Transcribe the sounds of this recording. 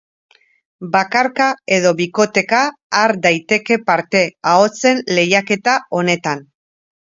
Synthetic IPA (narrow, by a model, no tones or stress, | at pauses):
bakaɾkae̞ðo̞βiko̞t̪e̞kaːɾd̪ajt̪e̞ke̞paɾt̪e̞ao̞t͡se̞nle̞jake̞t̪ao̞ne̞t̪an